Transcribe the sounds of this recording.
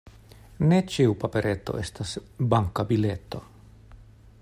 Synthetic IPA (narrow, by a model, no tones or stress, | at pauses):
net͡ʃiupapeɾʔet̪o̰ʔest̪asbaŋkabilet̪ːo̰